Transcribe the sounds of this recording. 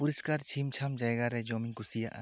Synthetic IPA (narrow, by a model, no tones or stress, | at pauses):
puɾiskaɾt͡ʃʰimt͡ʃʰamd͡ʒajɡaɾɛd͡ʒɔmiŋkusija̰ʔa̰